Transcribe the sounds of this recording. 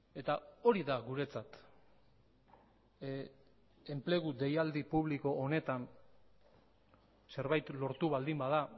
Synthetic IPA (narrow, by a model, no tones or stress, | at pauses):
e̞t̪ao̞ɾiðaɣuɾe̞t͡sat̪ | e̞mple̞ɣ̞ud̪e̞jald̪ipuβliko̞ʔone̞t̪an | se̞ɾβajt̪lo̞ɾt̪uβald̪imbaða